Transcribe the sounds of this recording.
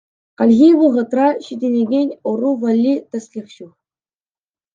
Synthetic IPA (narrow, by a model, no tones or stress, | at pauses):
qɑlʲɣʲiʋɤʁɤ̆t̪rɑɕid̪ʲenʲeɡʲenʲuruʋɑlʲːit̪ʲæ̆sʲlʲiχɕu